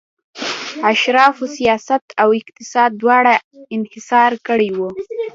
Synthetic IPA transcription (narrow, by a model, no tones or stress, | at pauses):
aʃɾɑfosijɑsat̪ʰawɪq̚t̪ɪsɑd̪̚ːwɑɽaɪnhɪsɑɾkəɽejwu